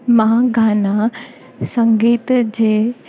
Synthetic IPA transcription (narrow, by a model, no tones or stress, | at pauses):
mãːɡʱaːna | sə̃ŋɡiːt̪d͡ʑeː